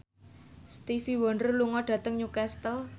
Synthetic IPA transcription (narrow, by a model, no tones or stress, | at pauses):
st̪ifiwɔnrluŋɔɖ̥ä̤t̪əŋɲukɛst̪əl